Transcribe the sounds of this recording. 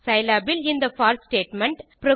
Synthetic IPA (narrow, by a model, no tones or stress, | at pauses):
sɐɪlaːbɪlɪ̃nd̪ɐfaːɾsʈeːʈmɛ̃ɳʈpɾɔ